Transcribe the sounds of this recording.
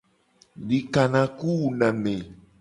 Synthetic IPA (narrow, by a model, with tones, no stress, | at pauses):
ɖi˨ka˨nã˨ku˦wu˨nã˨mẽ˨